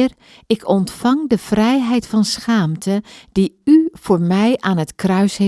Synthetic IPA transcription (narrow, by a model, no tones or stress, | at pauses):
r | ɪkʰɔntfɑŋdəv̥rɛjɦɛjtfɑnsχaːmtʰəd̥iyv̥oːɹmɛjaːnətkrœɥshe